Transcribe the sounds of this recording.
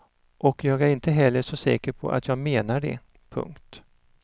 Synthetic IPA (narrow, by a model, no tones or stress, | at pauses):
ʔɔkjɑːɡæɾɪnt̪əɦɛlːəʂɔsɛ̰ːkəɾpʰɔ̰ʔa̰t̪ʰjɑːɡmeːnaɖɛ̰ | pʰɵ̰ŋkt̪